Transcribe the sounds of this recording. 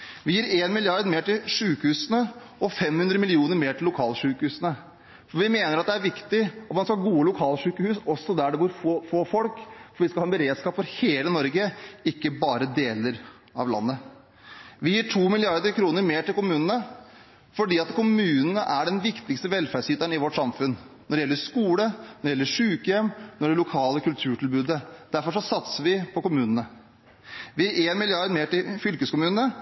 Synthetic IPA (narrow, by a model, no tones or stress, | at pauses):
ʋɪjiːɾeːnmɪlɪɑɾd̪meːʈɪlʂʉːkəhʉːsənə | ɔfɛmhʉnd̪ɾəmɪlɪuːnəɾmeːʈʰɪlːʊkʰɑːlʂʉːkəhʉːsənə | fɔɾʋɪmeːnəɾɑt̪̚d̪ɛæɾʋɪkt̪ɪɔt̪mɑnskɑɡuːəlʊkʰɑːlʂʉːkəhʉːsɔsːɔd̪æɖɛbuːɾffoːfɔlkfɔɾʋɪskɑlhɑɛnbəɾeːd̪skɑːpfɔɾheːlənɔɾɡəɪkːəbɑːɾəd̪eːləɾ | ɑ̰ʋlɑ̰nːə | ʋɪjiːʈʰuːmɪlɪɑɾd̪əɾkʰɾuːnəɾmeːʈɪlkʊmʉːnənə | fɔɖiːɑt̪kʰʊmʉːnənəʔæɖɛnʋɪkt̪ɪkst̪əʋɛlfæɖsyːt̪əɳɪʋɔʈsɑmfʉn | nːɔɖɛjɛlːəʂkuːlənɔɾɖɛjɛlːəʂʉːkəjɛmːnɔɛɖɛlʊkʰɑːləkʉlt̪ʰʉːʈɪlbʉːd̪əd̪̥æɾfɔʂɔsɑt̪səʋɪpʰɔkʊmʉːnənə | ʋɪæʔeːnmɪlɪɑɾd̪meːʈɪlfʏlkəskʊmʉːnnə